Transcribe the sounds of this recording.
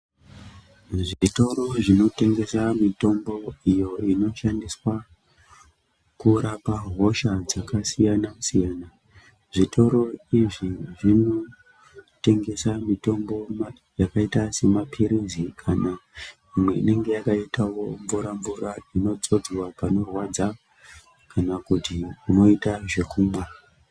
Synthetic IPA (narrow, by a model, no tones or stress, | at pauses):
ʐito̞ɾo̞ʐino̞te̞ŋɡe̞samito̞mbo̞ijo̞ino̞ʃandiswa | kuɾapaɦo̞ʃad͡zakasijanasijaːna | ʐitʰo̞ɾo̞iʐiʐino | te̞ŋɡe̞samito̞mbo̞m | jakaitase̞mapʰiɾizikʰana | imwe̞ine̞ŋɡe̞jakaitawo̞ɱvuɾaɱvuɾaino̞t͡so̞d͡zwapano̞rwad͡za | kanakutiuno̞itaʐe̞kuːmwa